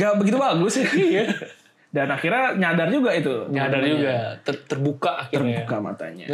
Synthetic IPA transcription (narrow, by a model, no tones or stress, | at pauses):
ɡabəɡit̪ubaɡʊsɪja | danakirɲaɲadard͡ʒuɡait̪uɲadard͡ʒuɡat̪ət̪ərbukaʔakiərbukama̰t̪a̰ɲa̰